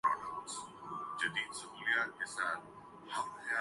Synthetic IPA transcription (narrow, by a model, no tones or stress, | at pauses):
o̰ːnaʊnsd͡ʒɐd̪iːd̪sʊɦuːlijaːt̪̚kesaːt̪̚ʰ | hɐm̚xjaː